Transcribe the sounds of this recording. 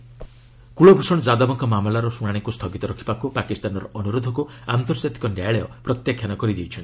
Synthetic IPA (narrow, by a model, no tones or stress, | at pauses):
kuɭobɾusɔɽɔd͡ʒad̪ɔbɔŋkɔmamlaɾɔsunaɽ̃iŋkust̪ʰɔɡit̪ɔɾɔkʰi̥bakupakist̪anɔɾɔʔɔnuɾod̪ʱɔku | ant̪ɔɾɔd͡ʒat̪i̥kɔnjajɭejɔpɾɔt̪jakʰjanɔkɔɾid̪iwt͡ʃʰɔni